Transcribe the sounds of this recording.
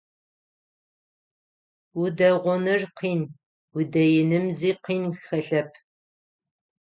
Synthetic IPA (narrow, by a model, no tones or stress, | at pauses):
udɐʁʷɔnɨrqʰiːn | wudɐjɪnɨmziːqiːnxɐɬɐp̚ʰ